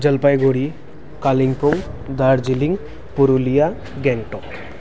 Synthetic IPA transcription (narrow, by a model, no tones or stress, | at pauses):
d͡ʒəlpajɡoɽi | kaliŋpɔŋd̪aɾd͡ʒiliŋ | puɾulija | ɡɛŋʈɔk